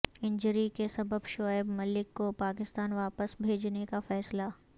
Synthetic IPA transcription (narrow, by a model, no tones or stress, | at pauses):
ɪ̃ɲd͡ʒəɾikesɐbəbʃɔːɪbmɐlɪkːopaːkɪst̪aːnʋaːpəsbʱeːd͡ʒnekafɛːsla